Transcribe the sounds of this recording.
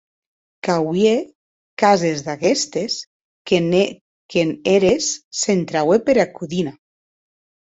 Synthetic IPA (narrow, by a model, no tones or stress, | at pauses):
kawje | kazezðaɣest̪es | keneɾesːent̪ɾawepeɾakuðina